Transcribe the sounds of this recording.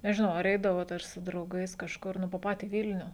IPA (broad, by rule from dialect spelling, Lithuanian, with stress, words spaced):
nʲɛʒʲɪˈnɐʊ ɐr ˈɛɪdɐʋoːt ɐr sʊ drɐʊˈɡɐɪs kɐʃˈkʊr ˈnʊ poː ˈpɑːtʲiː ˈʋʲɪlʲnʲʊ